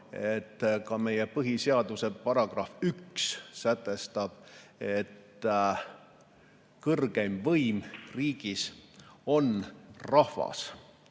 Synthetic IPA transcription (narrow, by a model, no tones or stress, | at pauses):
et̪ːkɑme̞jepɤɦiseɑd̪̥use̞pɑɾɑɡ̥rɑfykssæt̪ːˑe̞st̪ɑb̥e̞t̪ | kɤrɡ̥e̞mvɤjmriːɡ̥iso̞nrɑhvɑ̰s